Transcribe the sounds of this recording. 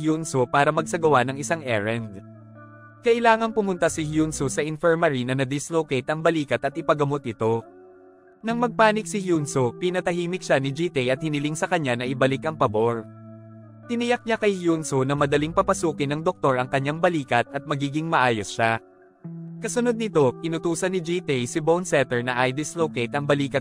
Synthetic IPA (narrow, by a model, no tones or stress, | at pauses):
hjunsopaːɾɐmɐɡ̚sɐɡɐwanɐŋɪsaŋʔɛɹɛnd̪ | kɐʔɪlaːŋɐŋpʊmʊnt̪asɪhjunsosɐʔɪnfɛɹmɐɾinɐnɐd̪ɪslokɛjt̪ɐŋbɐliːkɐt̪ɐt̪̚ʔɪpɐɡɐmot̪̚ʔɪt̪o̞ | nɐŋmɐɡ̚paːnɪk̚sɪhjunsopɪnɐt̪ɐhiːmɪk̚ʃanɪd͡ʒiːt̪ɛjʔɐt̪̚hɪnɪlɪŋsɐkɐɲːanɐʔɪbɐlɪkʔɐŋpɐbo̞ɹ | t̪ɪnɪjak̚ɲakɐjhjunsonɐmɐd̪ɐliŋpɐpɐsuːkɪnɐŋd̪ok̚t̪o̞ɾɐŋkɐɲːaŋbɐliːkɐt̪̚ʔɐt̪̚mɐɡiːɡɪŋmɐʔaːjosʃa | kɐsʊnod̪nɪt̪o̞kɪnʊt̪uːsɐnːɪd͡ʒiːt̪ɛjsɪbownsɛt̪ɛɹnɐʔɐjd̪ɪslowkejt̪ʔɐŋbɐliːkɐ